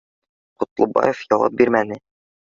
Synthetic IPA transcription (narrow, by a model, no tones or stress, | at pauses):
qŏt̪lˠɤ̆bɑ̰jefjɒwɑ̰p̚biɾmænɘ